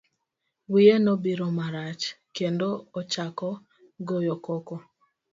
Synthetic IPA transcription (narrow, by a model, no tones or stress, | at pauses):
wienobiɾomaɾat͡ʃ | kendoːt͡ʃakɔ | ɡojɔkɔkɔ